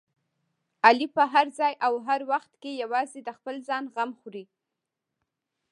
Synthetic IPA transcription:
alipəɦaɾzɑjʔawɦaɾwaxt̪kejawɑzed̪əxpəlzɑnɣamxuɾi

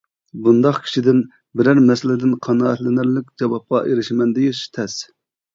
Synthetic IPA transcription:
bund̪ɑqkʲʰi̥ʃid̪ɪn | bɪɾæɾmɛsɪlɪd̪ɪnqʰɑnɑːɛt̪lɪnɪɾlɪk̚ʲd͡ʒɑwɑp̚qɑ̰ʔeɾɪʃmɛnd̪ejiʃt̪ʰɛs

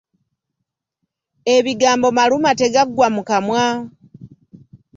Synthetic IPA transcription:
e̞βiɡaːmbo̞malumate̞ɡaɡwamukamwa

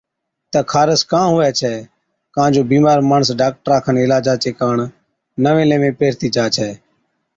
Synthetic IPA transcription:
t̪əkʰaːɾəskãːɦʊɛːt͡ʃʰɛː | kãːnd͡ʒoːbiːmaːɾmaːɳəsɖaːk̚ʈəɾaːkʰənɪlaːd͡ʒaːt͡ʃeːkaːɳ | nəʋẽːlẽːʋẽːpeːɾt̪iːd͡ʒaːt͡ʃʰɛː

